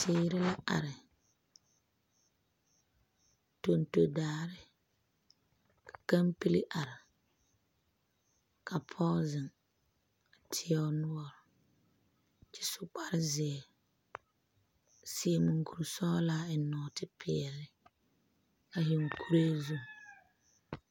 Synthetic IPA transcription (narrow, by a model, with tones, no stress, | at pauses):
tʰeː˦ɾɪ˦la˦ʔa̰˨ɾɪ˨ | to˨nto˨daː˨˦˨ɾɪ˦ | kḁ˨ka˦mpi˦li˦ʔa˨ɾɪ˨ | kʰa˨pʰɔː˦zɪ˨ŋ | a˨tʰɪ˦ɛ˦ʊ˦nʊ˦ɔ˦ɾʊ˨ | t͡ʃɪ̥˦sʊ˦k͡pa˦ɾɪ˦zɪ˨ɛ˨ | si˨e˨mu˨ŋku˨ɾsɔː˦laː˦ɪ˨nɔː˨tɪ˦pʰɪ˨ɛ˨lɪ˦ | ka˨ɦi˨ŋ˨kʰu˦ɾe˦zu˦ŋ˨